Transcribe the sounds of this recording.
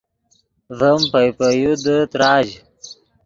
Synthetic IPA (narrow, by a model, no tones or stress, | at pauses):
ðəmpəjpəjud̪ət̪ɾaːd͡ʑ